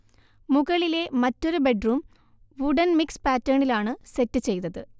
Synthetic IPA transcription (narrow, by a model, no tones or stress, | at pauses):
muɣɐɭile̞mɐtːo̞ɾube̞ɖruːm | ʋuɖɐnmikspaːtːɐːɳilaːɳɨse̞tːɨt͡ɕe̞jnɐðɨ